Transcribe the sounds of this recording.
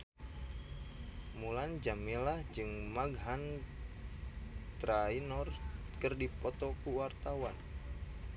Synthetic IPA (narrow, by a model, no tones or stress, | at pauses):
muland͡ʒaminlahd͡ʒɨŋmaɡɦan | t̪ɾainɔr | kɨrdipɔt̪ɔkuwart̪awan